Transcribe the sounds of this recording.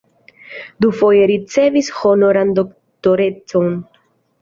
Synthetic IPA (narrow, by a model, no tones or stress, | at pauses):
d̪ufojeɾit͡se̞visho̞noɾand̪ok | t̪oɾe̞t͡so̞n